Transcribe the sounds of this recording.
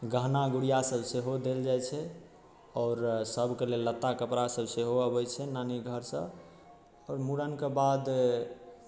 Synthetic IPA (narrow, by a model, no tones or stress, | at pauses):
ɡəɦnaɡuɽijasəbseɦod̪eld͡ʒajt͡ʃʰɛ | ɔːɾsəbʱkelelːət̪ːakəpɾasəbseɦoəbət͡ʃʰɛnaniɡʱəɾsə̰b | ɔːɾmuɽənkebad̪